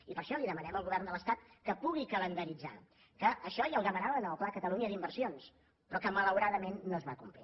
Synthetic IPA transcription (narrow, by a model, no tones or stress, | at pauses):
ipəɾʃɔliðəmənɛməlˠɣuβɛrnd̪ələst̪at̪̚kəpuɣikələnd̪əɾid͡za̰ | kəəʃɔjəlˠd̪əmənaβənəlˠklakət̪əluɲəd̪imbərsions | pɾɔkəmələwɾaðəmenːoəzβakumplḭ